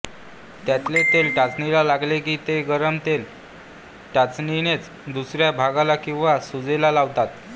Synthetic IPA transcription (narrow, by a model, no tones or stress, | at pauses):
t̪jat̪let̪elʈat͡snilalaɡlekiːt̪eɡəɾəmt̪el | ʈat͡sninet͡s | d̪usɾjabʱaɡalakĩw̃ʋasud͡zelalaʋt̪at̪